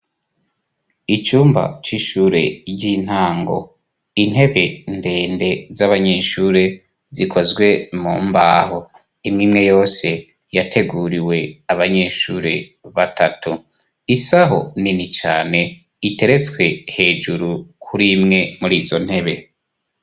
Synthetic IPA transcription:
it͡ʃuːmba̰t͡ʃiʃuːɾe̞ɟin̥haːŋɡo̞̰ | in̥he̞βe̞nde̞ːnde̞zaβaɲe̞ːʃuːɾe̞ | zikʰozɡwe̞muːmbaːɦo | imŋiːmŋe̞jo̞ːse̞ | jatʰe̞ɡuɾiwe̞aβaɲe̞ʃuːɾe̞βatatʰu | isaɦo̞̰ninit͡ʃa̰ːne̞ | ite̞ɾe̞t͡skwe̞he̞ːʒuɾukʰuɾimŋe̞muɾiːzo̞n̥he̞βe̞

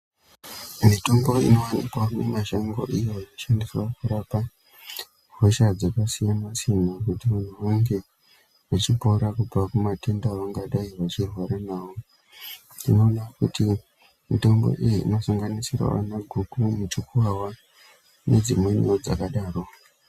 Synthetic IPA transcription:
mito̞mbo̞ḭno̞wanikamemaʃaŋɡo̞̰ʔijo̞inoʃandiswakuɾapa | ɦoʃad͡zakasijanasijanakutiʋan̤uʋaŋɡe̞ | ʋat͡ʃipo̞ɾakub͡vakumate̞ndaʋaŋɡaɗaiʋat͡ʃirwaɾanaːʋo̞ | ndino̞ːnakuti | mito̞mbo̰ʔijḭːno̞saŋɡanisira̰ʋa̰naɡʱukumut͡ʃikuwawa | ne̞d͡zimwe̞neod͡za̰kaɗaːro̞

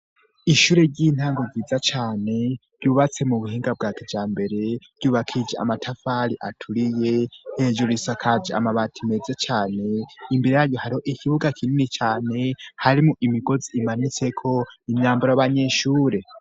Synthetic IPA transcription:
iʃuːɾe̞ɾɟin̥haːŋɡo̞ɡiːzat͡ʃaːne̞ɾ̥ɟuβat͡se̞muβuhiːŋɡab̚ɡaːkid͡ʒaːmbe̞ɾe̞ɾɟuːβakʰid͡ʒeʔa̰matʰafaɾiʔatʰuɾije̞hed͡ʒuɾisakʰad͡ʒia̰maβatʰime̞zet͡ʃaːne̞imbiɾejaɾjo̞haɾiho̞ʔikiβuɡakʰininit͡ʃaːne̞haɾimuʔimiɡo̞ziʔːmanit͡se̞kʰo̞imɲaːmbaɾajaβaɲe̞ʃuːɾe̞

